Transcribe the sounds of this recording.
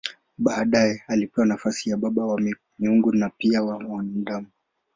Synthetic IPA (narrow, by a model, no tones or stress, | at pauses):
ɓaːɗajɛalipɛwanafasijaɓaɓawa | miuŋɡunapiawamandamu